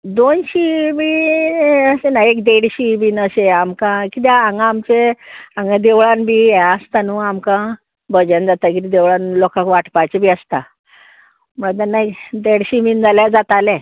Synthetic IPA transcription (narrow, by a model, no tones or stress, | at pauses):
d̪onɕimiː | əsenajekd̪eɽɕibinəɕeamkãkit̪̬aãŋɡamt͡ɕeãŋɡãd̪eʋɭanbʱiːeəst̪anuamkã | bəd͡ʑand͡zat̪akit̪id̪eʋɭanlɔkãkʋaʈʰpat͡ɕebʱiːəst̪a̰ | m̤əɭat̪̬anːaed̪eɽɕimind͡zaljad͡zat̪alẽ